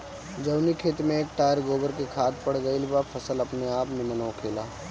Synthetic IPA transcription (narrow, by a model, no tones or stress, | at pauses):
d͡ʒɐwnikʰeːt̪mẽeːk̚ʈaːjəɾɡoːbəɾkekʰaːt̪̚pɐɽɡəilɪbapʰɐsəlɐpneaːpnɪmənõkʰeːlaː